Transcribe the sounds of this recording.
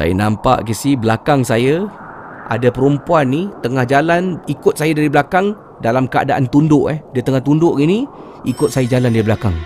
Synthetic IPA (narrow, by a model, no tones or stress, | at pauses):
sa̰ja̰nampa̰ʔkisibəlakaŋsaja | ʔa̰dapəɾumpuanːit̪əŋahd͡ʒalanikʊt̪̚sajadaɾibəlakaŋ | dalamkəa̰daʔant̪undʊʔɛhdiət̪əŋaht̪undʊʔɡini | ikʊt̪̚sajad͡ʒalandaɾibəlakaŋ